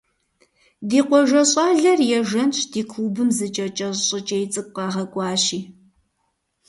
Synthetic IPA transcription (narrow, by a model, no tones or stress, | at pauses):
diːqʷɔʒɐɕʼɑːɮɐrjɛʒɐnt͡ʃʰdiːkʷʰuːbɨmzɨt͡ʃʼɐt͡ʃʼɐɕʼɪt͡ʃʼejt͡sʼɨk̚ʷʼqɑːʁɐkʷʼɑːɕiː